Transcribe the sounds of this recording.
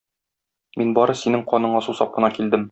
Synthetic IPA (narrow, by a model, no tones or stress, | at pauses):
minbɒɾɤsinɘŋqɒnɤ̆ɴɑsusɒp̚qɤ̆nɑkild̪ɘm